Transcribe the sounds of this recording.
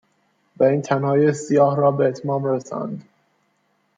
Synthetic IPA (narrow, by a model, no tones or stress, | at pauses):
væiːnt̪ʰænhɒːjesijɒːhɾɒːbe̞et̪ʰmɒːmɾesɒ̰nd̪